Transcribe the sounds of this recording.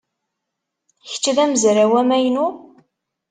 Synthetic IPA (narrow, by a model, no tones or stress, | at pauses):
çə̥t͡ʃːðæməzɾawæmæjnu